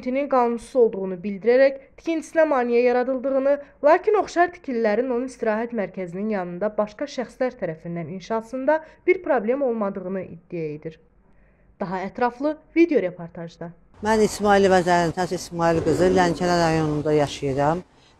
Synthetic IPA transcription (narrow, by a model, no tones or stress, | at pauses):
nt̪ʰininɡɑːnunsuzo̞lˠd̪uʁunubild̪iɾæɾæct̪ʰi̥cʰint̪ʰi̥sinæmɑːnijæjɑɾɑd̪ɯlˠd̪ɯʁɯnɯlˠɑːcʰino̞χʃɑɾt̪ʰi̥cʰilːæɾino̞nunist̪iɾɑːɦæt̪mæɾcʰæzininjɑnɯnd̪ɑbɑʃkɑʃæxslæɾt̪ʰæɾæfind̪æninʃɑsɯnd̪ɑb̥iɾpʰɾo̞blʲe̞mo̞lˠmɑd̪ɯʁɯnɯʔḭd̪ːijæed̪iɾ | d̪̥ɑɦɑæt̪ɾɑflˠɯvid̪ejo̞ɾe̞pʰo̞ɾt̪ʰɑʒd̪ɑ | mænismɑilvæzæɾint̪ʰæsismɑːilɡɯzɯlæncʰænæɾɑjo̞nund̪ɑjɑʃɯjɯɾɑm